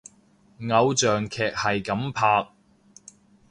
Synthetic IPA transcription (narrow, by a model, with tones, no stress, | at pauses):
ŋɐ˨˧wt͡ʃœː˨ŋkʰɛː˨k̚hɐ˨jkɐ˨˥mpʰaː˧k̚